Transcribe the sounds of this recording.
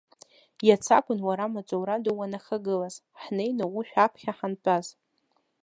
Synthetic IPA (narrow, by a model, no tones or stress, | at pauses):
jat͡sʰa̰kʷʼʊnwaɾamat͡sʷʼowɾadowanaχaɡɨlaz̥ | ħne̞jnawuʃᶣapʰχʲaħanpʼaz